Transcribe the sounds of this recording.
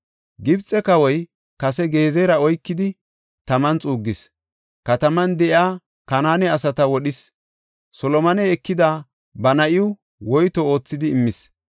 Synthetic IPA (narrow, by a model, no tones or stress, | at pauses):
ɡɪbt͡sʼɛkɐwɔj | kɐsɛɡe̞ːzejɾɐɔjkːɪd̪ɪ | t̪ɐmɐnt͡sʼuːɡːɪs | kɐt̪ɐmɐnd̪ɛʔɪaː | kɐnaːnɛɐsɐt̪ɐwɔɗɪs | sɔlɔmɐnɛːkːɪd̪a | bɐnɐʔɪʊ | wɔjt̪ɔo̞ːt͡sːɪd̪ɪːmːɪs